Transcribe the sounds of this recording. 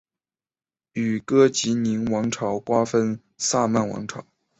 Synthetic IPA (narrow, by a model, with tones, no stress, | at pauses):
y˨˩kɤ˥t͡ɕi˧˥ni˧˥nwɑ˧˥ŋʈ͡ʂʰɑ˧˥ʊkwa˥fə˥n | sa˥˧ma˥˩nwɑ̰˧˥ŋʈ͡ʂʰɑ˨˩˦ʊ